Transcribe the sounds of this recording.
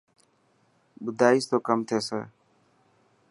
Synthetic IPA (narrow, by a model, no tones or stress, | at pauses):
bʊd̪aːiːst̪oːkəmt̪ʰeːsḛː